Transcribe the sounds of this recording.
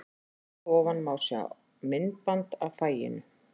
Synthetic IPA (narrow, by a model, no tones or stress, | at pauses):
ɔːvanmaːwsɛa̰ | mɪnpant̪avfaːjɪ̰nʏ